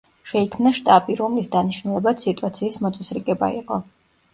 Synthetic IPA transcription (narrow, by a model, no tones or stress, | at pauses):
ʃɛikʰmnaʃt̪ʼapʼiɾɔmlisd̪aniʃnulˠɛbat̪sit̪ʼuat̪sʰiːsmɔt̪sʼɛsɾiɡɛba̰ḭqʼɔ